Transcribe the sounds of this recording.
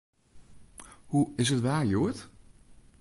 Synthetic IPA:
huɪsətʋaːɹjuət

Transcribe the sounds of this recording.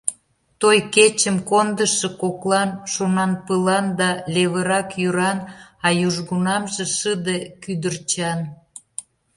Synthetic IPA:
t̪ojket͡ɕəmkond̪əʃekoklɑnʃonɑnpəlɑnd̪ɑleβəɾɑkjyɾɑnɑjuʒɣunɑmʒeʃəd̪ekyd̪ərt͡ɕɑn

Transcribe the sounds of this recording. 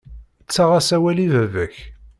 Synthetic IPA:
ət͡sːaʁasæwælivævəç

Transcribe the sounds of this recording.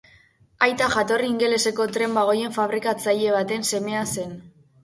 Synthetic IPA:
ajt̪aʝat̪o̞riːŋɡe̞le̞se̞ko̞t̪ɾe̞mbaɣ̞o̞je̞ɱfaβ̞ɾikat͡saʎe̞β̞at̪e̞nse̞me̞ase̞n

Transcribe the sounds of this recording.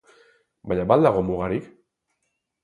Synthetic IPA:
baʎabald̪aɣomuɣaɾik

